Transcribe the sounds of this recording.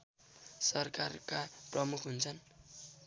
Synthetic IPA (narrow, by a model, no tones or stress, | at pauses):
sʌrkarkaprʌmukʰɦunt͡sʰʌn